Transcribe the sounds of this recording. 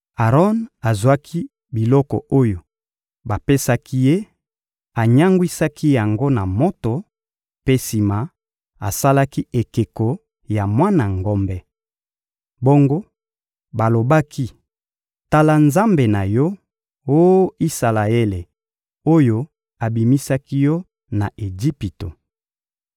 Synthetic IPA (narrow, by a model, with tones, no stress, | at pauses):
a˨ʁɔ˦na˨zwa˦kʰi˦ | bi˨lɔ˦kɔ̰˨o˦jo˨ | ba˨pe˦sa˦kʰi˦je˦ | a˨ɲa˦ŋɡwi˦sa˦kʰi˦ja˨ŋɡo˦na˨mo˦to˨ | pe˦si˨ma˨ | a̰˨sa˦la˦ki˦e˨ke˨kɔ˨ | ja˨mwa˦na˨ŋɡo˦mbɛ˦ | bo˦ŋɡo˦ | ba˨lo˨ba˦ki˦ | ta˦la˦nza˦mbe˨na˨jɔ˦ | o˦i˦sa˨la˨e˦le˨ | o˦jo˦ | a˨bi˨mi˦sa˦ki˦jɔ˦ | na˨e˨d͡ʒi˦pi˨to˨